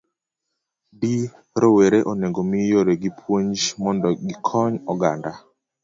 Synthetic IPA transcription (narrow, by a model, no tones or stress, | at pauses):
di | ɾoweɾeʔoneŋɡomijoɾeɡipʰwoɲd͡ʒmɔndɔɡɪkʰɔɲɔɡanda